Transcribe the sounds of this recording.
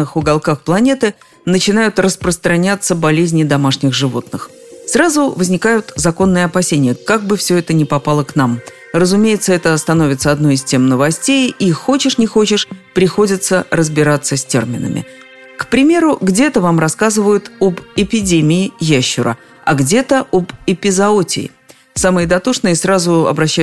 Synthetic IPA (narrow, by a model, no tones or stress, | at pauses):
ɨxʊɡɐlˠkaxplˠɐnʲe̞t̪ɨ | nət͡ɕɪnajʊt̪rəspɾəst̪ɾɐnʲat̪sːəbɐlʲezʲnʲɪd̪ɐmaʂnʲɪɣʐɨvo̞̰t̪nɨx | srazʊvəzʲnʲɪkajʊt̪zɐko̞nːɨjəɐpɐsʲenʲɪjəkaɡ̚bɨfsʲɵɛt̪ənʲɪpɐpalˠəknam | rəzʊmʲejɪt̪səɛt̪əst̪ɐno̞vʲɪt̪səɐd̪no̞jɪstʲe̞mnəvɐsʲtʲejixo̞t͡ɕɪʂnʲɪxo̞t͡ɕɪʂpɾʲɪxo̞dʲɪt̪səɾəzbʲɪɾat̪səsʲtʲḛrmʲɪ̰nə̰mʲɪ̰ | kpɾʲɪmʲe̞ɾʊɡdʲe̞t̪əvamrɐskazɨvəjʊt̪obɪpʲɪdʲemʲɪɪjæɕːʊɾə̰ | ɐ̰ɡdʲe̞t̪əʔobɪpʲɪzɐotʲɪ̰ɪ̰ | samɨjəd̪ɐt̪oʂnɨjəsrazʊɐ̰bɾɐɕːæ